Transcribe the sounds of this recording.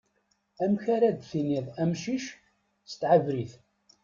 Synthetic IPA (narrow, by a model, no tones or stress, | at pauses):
æmçaɾæd̪θiniðæmʃiʃ | st̪ʕavɾiθ